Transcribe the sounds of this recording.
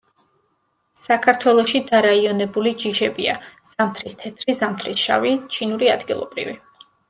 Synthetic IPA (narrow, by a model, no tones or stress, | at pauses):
sakʰaɾt̪ʰwɛlˠɔʃid̪aɾaiɔnɛbulid͡ʒiʃɛbiaz̥amp̪ʰɾist̪ʰɛt̪ʰɾizamt̪ʰɾisʃa̰vit͡ʃʰinuɾiad̪ɡilˠɔ̰bɾḭvi